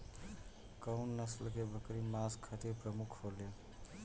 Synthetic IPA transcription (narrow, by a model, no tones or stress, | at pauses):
kəwnːəslkebʱəkɾimaskʰət̪iɾpɾəmukʰhole